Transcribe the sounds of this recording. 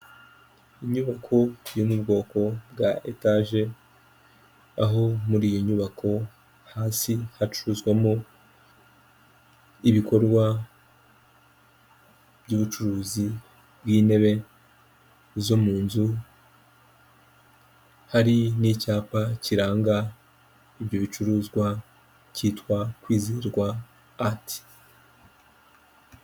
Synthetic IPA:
iɲuβakʰo̞jo̞mubɡo̞ːko̞bɡaʔḛtaʒe̞ | aɦo̞muɾiːjoɲuβakʰo̞ | haːsihat͡ʃuɾuzɡwemo | iβiko̞ɾɡwa | b̥ɟuːβut͡ʃuɾuːzi | bwiːne̞βe̞ | zo̞muːnzu | haɾinicaːpaciɾaːŋɡa | ibjo̞βit͡ʃuɾuːzɡwa | ciːtwakwiːziɾɡwaː | tʰi̥

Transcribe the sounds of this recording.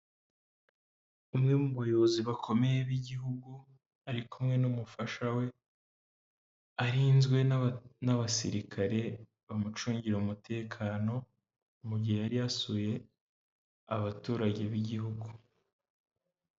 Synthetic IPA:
umŋe̞muβajo̞βoziβakʰo̞me̞jeβiɟiɦuɡu | aɾikʰumŋe̞numufaʃawe̞ | aɾiːnzɡwe̞naβasḭɾikʰaɾe̞ | βamut͡ʃuːɲɟiɾaumutʰe̞ːkʰaːno̞ | muɟihejaɾijasuje̞ | aβatuːɾaɟe̞βiɟihuɡu

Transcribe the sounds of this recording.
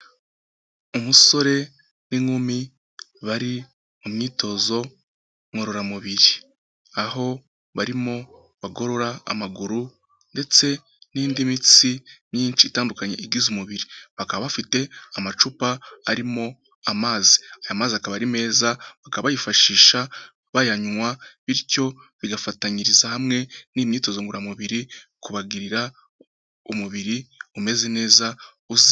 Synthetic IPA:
umuso̞ɾe̞ | niŋumi | βaɾi | mumɲiːtʰo̞zo̞ | ŋoɾo̞ɾamuβiɾi | aɦo̞ | βaɾimo̞ | βaɡo̞ɾo̞ɾaa̰maɡuɾu | nde̞t͡se̞ | niːndimit͡siɲɲiːnt͡ʃiːtaːndukaɲe̞̰ʔiɡizumuβiɾiβakaβaβafite̞amat͡ʃupaaɾimo̞ | amaːzi̥ajamaːziakaβaɾime̞ːzaβakaββajifaʃiːʃa | βajaɲuŋwaβiɾco̞βiɡafataɲiɾizahamŋe̞niːmɲiːto̞zoŋɡuɾamuβiɾikuβaɡiɾiɾa | umuβiɾiume̞ːzene̞ːza | uzi

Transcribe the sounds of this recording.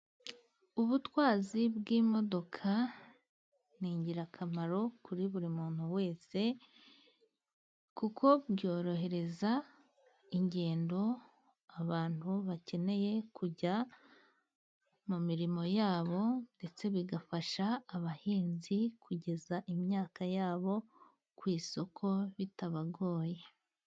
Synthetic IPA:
uβutwaːzibɡiːmo̞do̞kʰa | niːɲɟiɾakʰamaɾo̞kʰuɾiβuɾimuːn̥huwe̞ːse̞ | kukʰo̞bjo̞ːɾo̞ɦe̞ɾe̞za | iɲɟe̞ːndo̞ | aβaːn̥huβace̞ne̞je̞kuɟa | mumiɾimo̞jaːβo̞nde̞t͡se̞βiɡafaʃaːβahiːnzikuɟe̞zaʔimjaːkajaːβo̞ | kwiːso̞kʰo̞βitaβaɡo̞ːje̞

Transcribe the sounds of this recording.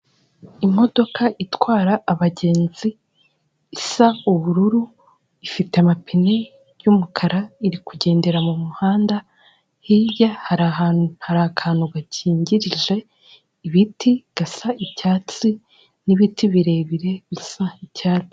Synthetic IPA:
imo̞do̞kʰaʔitwaːɾaːβaɟe̞ːnziː | sauβuɾuɾu | ifite̞amapine̞ | jumukʰaɾaiɾikuɟe̞ːnde̞ɾamumuhaːnda | hijahaɾahaɾakʰaːnhuɡacʰiːɲɟiɾiʒe̞ | iβitiɡ̥asaicaːt͡si | niβitiβiɾe̞ːβiɾe̞βisaicaːt͡si̥

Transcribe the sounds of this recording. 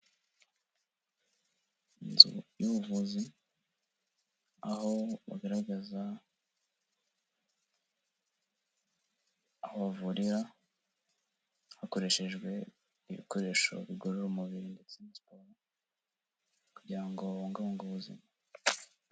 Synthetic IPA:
nzṵjuβuvuzi | aho̞βa̰ɡaɾaɡaza | ahoβavuɾiɾa | hako̞ɾe̞ʃe̞ʒɡwe̞ | iβḭkoɾe̞ʃo̞̰βiɡoɾoɾomuβiɾinde̞t͡semaspoɾo | kuɟiɾaŋɡoŋɡaβoŋɡoβuzḭma

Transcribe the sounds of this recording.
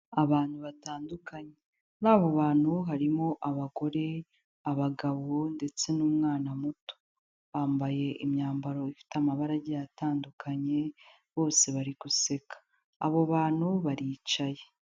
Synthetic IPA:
aβaːn̥huβataːndukaɲe | naːβoβaːn̥huɦaɾimo̞ʔaβaɡo̞ɾe̞ | aβaɡaβonde̞t͡se̞nuːmŋaːnamuto̥ | βaːmbaje̞ʔimɲaːmbaɾo̞ifi̥teamaβaɾaɟijataːndukʰaɲe̞ | βo̞ːse̞βaɾiɡuse̞kḁ̰ː | βoβaːn̥huβaɾiːt͡ʃaje̞

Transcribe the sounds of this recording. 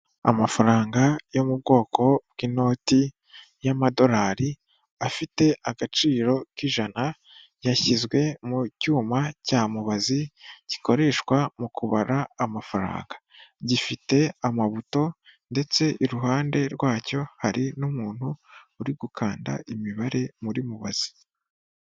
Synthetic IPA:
a̰mafaɾaːŋɡajo̞mub̚ɡo̞ːkʰo̞bɡiːno̞ːti | jamado̞ɾaːɾi | afite̞ʔaɡat͡ʃiːɾo̞kiʒana | jaçizɡwe̞mucuːmacaːmuβaziɟ̥i̥ko̞ɾe̞ʃkwamukuβaɾaːmafaɾa̰ːŋɡa | ɟifite̞amaβuto̞nde̞t͡se̞ʔiɾuɦaːnde̞ɾɡwaːco̞haɾinumuːn̥huːɾiɡukʰaːnda̰ʔimiβaɾe̞muɾimuβa̰z̥i̥

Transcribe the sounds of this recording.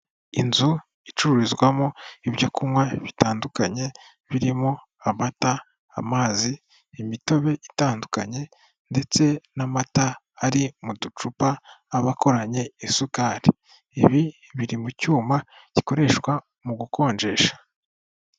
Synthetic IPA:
inzu | it͡ʃuɾuɾizɡwamoiβjokumwaβitaːndukaɲe̞ | βiɾimo | amata̰ː | maːziː | mito̞βe̞ʔitaːnduka̰ɲe̞ | nde̞t͡se̞namataː | ɾimudut͡ʃupaːβako̞ɾaɲe̞isukaɾi | eβi | βiɾimucuːma | ci̥ko̞ɾe̞ʃkwa | muɡuko̞ːɲd͡ʒe̞ːʃḁ

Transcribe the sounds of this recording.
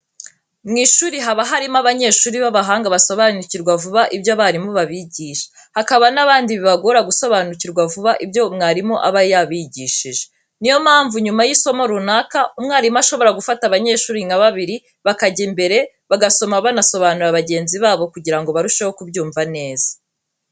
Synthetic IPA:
mŋiːʃuːɾiɦaβaɦaɾimaβaɲe̞ːʃuːɾiβaβaɦaːŋɡaβaso̞βanuciɾɡwavuβaʔibjoaβaɾimoβaβiɟiːʃe̥ | hakaβanaβaːndiβiβaɡo̞ɾaɡuso̞βanuciɾɡwavuβaʔibjomŋaːɾimoʔa̰βajaβiɟiːʃiʒe̥ | nijo̞maːɱvuɲumajiso̞moɾunaːkaumŋaːɾimaʃo̞βo̞ɾaɡufataβaɲe̞ːʃuːɾinaβaβiɾi | βakaɟembe̞ɾe̞ | βaɡaso̞maβanaso̞βaːnuɾaβaɟe̞ːnziβaːβo̞kuɟiɾaŋɡo̞βaɾuʃeho̞kubɟuːɱvane̞ːzḁ

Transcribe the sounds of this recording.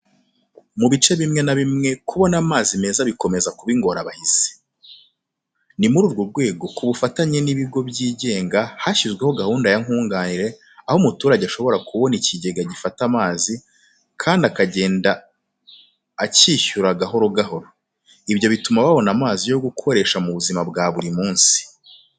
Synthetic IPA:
muβit͡ʃe̞βimŋe̞naβimŋe̞kuβo̞namaːzime̞zaβiko̞me̞zakuβiŋɡo̞ɾaβahiz̥e̥ | nimuɾuːɾɡoɾɡwe̞ːɡo̞kuβufataɲe̞niβiɡo̞bjiːɟe̞ːŋɡahaçizɡwe̞ho̞ɡahuːndajaŋhuːŋɡaːniɾe̞ | ahomutuːɾaɟeaʃo̞βo̞ɾakuβo̞niciɟe̞ɡaɟifatamaːzi | kʰaːndiakaɟe̞ːnda | ciːçuɾaɡaɦo̞ɾo̞ɡaɦo̞ɾo | iβjo̞βitumaβaβo̞namaːzijo̞ɡukʰo̞ɾe̞ʃamuβuzimabɡaːβuɾimuːnsi̥

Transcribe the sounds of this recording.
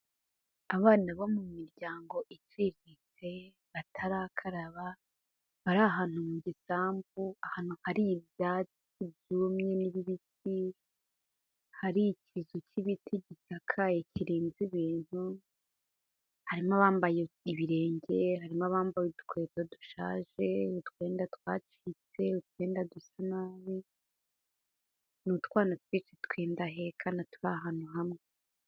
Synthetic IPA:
aβaːnaβo̞mumiɾɟaːŋɡo̞ʔitwiːit͡se̞ | βatʰaɾakʰaɾaβa | βaɾaɦaːn̥humuɟisaːmvuahaːn̥huhaɾivjat͡s | ivjumɲe̞niβiβit̚ʰi | haɾicizociβitʰiɟisakʰaeciɾiːnziβiːn̥hu | haɾimaβaːmbajeiβiɾe̞ːɲɟe̞ɦaɾimaβaːmbajudu̥kwe̞ːzaduʃa̰ːʒe̞utkwe̞ːndatkwaːt͡ʃiːt͡se̞utkwe̞ːndadusanaːβi | nutkwaːnatwit͡ʃitkweːndaɦekʰanatu̥ɾaɦaːnuɦamŋe

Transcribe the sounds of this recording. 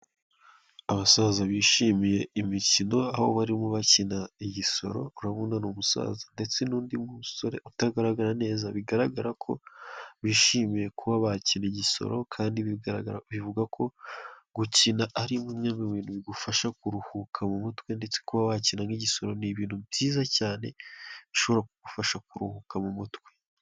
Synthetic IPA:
aβasaːzaβiːʃimije̞imicino̞aβo̰βaɾimuβacinaiɟiso̞̰ɾo̞uɾaβuːndanuːmusa̰ːzande̞t͡se̞nuːndimumuso̞ɾe̞ʔutaɡaɾaɡaɾane̞ːzaβiɡaɾaɡaɾakʰo̞βiːʃiːmije̞kuβaβaciniɟiso̞̰ɾo̞kʰaːndiβiβivuɡakʰo̞ɡucinaʔaɾimumɲaːmbiβiːnuβiɡufaʃakuɾuhukʰamumutwe̞nde̞t͡sekuβaβacinaŋiɟiso̞ɾo̞niβiːn̥hubɟiːzacaːne̞βiʃo̞βoɾak̚uɡ̥ufaʃakuɾuhukamumutwe̞

